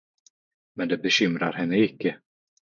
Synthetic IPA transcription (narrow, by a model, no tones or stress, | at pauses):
mɛnd̪ɛbɛɕʏmɾaɾhɛnːəɪkːə